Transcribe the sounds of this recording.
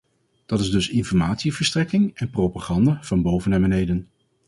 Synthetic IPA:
d̥ɑtɪzdɵsɪnfɔɹmaːtsivəɹstrɛkɪŋɛnprowpaːχɑndav̥ɑnbowvənɛmənɦejdən

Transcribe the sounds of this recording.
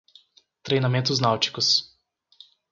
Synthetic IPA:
t̪ɾejnamet̪̬uznawt͡ʃi̥kʊs

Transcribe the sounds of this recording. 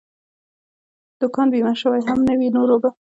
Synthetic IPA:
d̪̥ʊkɑnbimaʃəwajɦamnəwinoɾoba

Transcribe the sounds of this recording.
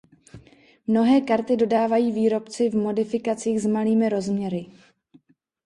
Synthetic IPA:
mno̞ɦɛːkaɾt̪ɪdo̞daːvajiːviːɾo̞pt͡sɪvmo̞dɪfɪkat͡siːɣzmaliːmɪɾo̞zmɲɛɾɪ

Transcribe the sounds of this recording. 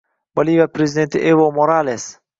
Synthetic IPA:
bɐlivapɾezʲid̪ent̪ɪʔevomoɾales

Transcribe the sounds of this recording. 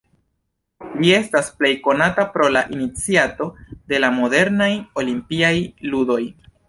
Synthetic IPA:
lie̞stasple̞jko̞natapɾo̞laʔinit͡siato̞de̞lamo̞de̞ɾnajo̞limpiajludo̞j

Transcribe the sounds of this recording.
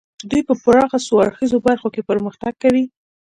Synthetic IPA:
d̪ujpəpʊɾɑxasoaɽxizobaɾxokepəɾməxt̪aɡ̚kːawi

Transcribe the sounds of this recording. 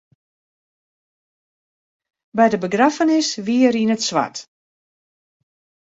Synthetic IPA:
bɛjdəbəɡrafənɪsʋiəəɾinətsʋa̰t

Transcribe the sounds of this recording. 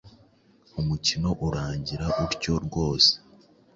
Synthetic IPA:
umucino̞ʔuɾaːɲɟiɾaʔuɾɟo̞ɾɡo̞ːse̥

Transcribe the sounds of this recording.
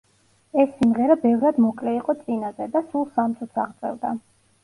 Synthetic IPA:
ɛsːimʁɛɾabɛvɾad̪mɔkʼlɛiqʼɔt̪sʼinazɛd̪asulˠsamt̪sʼut̪sʰa̰ʁt̪sʼɛ̰vd̪a̰

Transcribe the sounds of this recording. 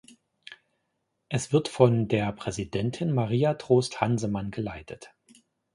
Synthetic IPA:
ʔɛsv̥ɪɐtfɔndeːɐpʁ̥ɛzidɛntʰɪnmaʁ̞iːatʁ̥oːsthanzəmanɡəlaɪtʰət

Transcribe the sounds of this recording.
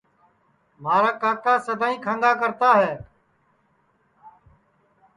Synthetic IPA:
maːɾaːkaːkːaːsəd̪ʱaːĩːkʰãːŋɡaːkəɾt̪aːɦɛː

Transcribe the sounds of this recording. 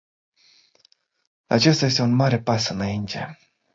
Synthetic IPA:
a̰t͡ʃe̞st̪aje̞s̬t̪e̞unmaɾe̞pasɨnaint̪ʰe̞̰

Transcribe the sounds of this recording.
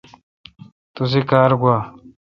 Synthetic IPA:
t̪us̬ikaːɾɡwaː

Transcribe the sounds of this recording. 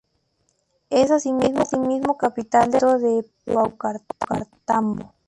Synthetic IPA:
esasimizmot̪imizmokapit̪ald̪eɾoðe | wawkaɾka̰ɾt̪ambo̰

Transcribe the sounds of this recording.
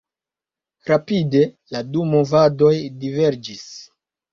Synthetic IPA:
ɾapide̞ | ladumovado̞jdive̞ɾd͡ʒis

